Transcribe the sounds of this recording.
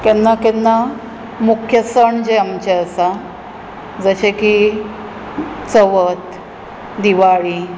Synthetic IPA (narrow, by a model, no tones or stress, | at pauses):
kɛnːakɛnːa | mukʰjəsəɳd͡ʑeamt͡ɕeəsa | d͡zəɕeki | t͡səʋət̪ | d̪iʋaɭi